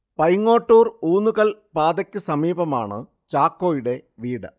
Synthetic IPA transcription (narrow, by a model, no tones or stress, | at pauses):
pɐjŋːo̞ːʈːuːruːnːuɣɐɭpaːd̪ɐkʲːɨsɐmiːbɐma̰ːɳɨ̰ | t͡ɕaːkːo̞ːjuɽe̞ʋiːɽɨ̰